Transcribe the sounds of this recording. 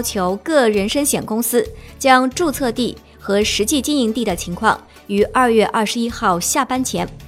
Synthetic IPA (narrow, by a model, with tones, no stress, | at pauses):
ʊt͡ɕʰjo˧˥ʊkɤ˥˩ɻə˧˥nʂə˥ŋɕjɛ˨˩nkʊ˥ŋsɹ̩˥t͡ɕjɑ˥ŋʈ͡ʂu˥˧t͡sʰɤ˥˧t̪i˥˩ | xɤ˧˥ʂɻ̩˧˥t͡ɕi˥˩t͡ɕi˥ni˧˥ŋt̪i˥˩d̪ə˩t͡ɕʰi˧˥ŋkʰwɑ̰˥˩ŋ | y˨˩ʔɐ˥˧ɥɛ˥˧ʔɐ˥˩ʂɻ̩˧˥i˥xɑ˥˧ʊɕja˥˩pa˥nt͡ɕʰjɛ˧˥n